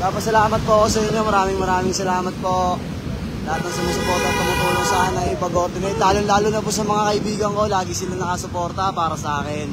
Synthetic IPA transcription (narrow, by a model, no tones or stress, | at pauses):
paːpɐsɐlaːmɐt̪̚poɐko̞sɐɪɲːo̞mɐɾaːmɪŋmɐɾaːmɪŋsɐlaːmɐt̪̚po̞ | lɐhat̪̚nɐŋsɐmasʊpoɾt̪ɐp̪ɐnɐpuːnosaːnɐjipɐɡoːɾd̪ɛmɐt̪aːloŋlaːlʊnɐpusɐmɐŋakɐʔɪbiːɡɐŋko̞laːɡɪsɪlaŋnɐkɐsʊpo̞ːɾt̪ɐpaːɾɐsɐʔaːkɛn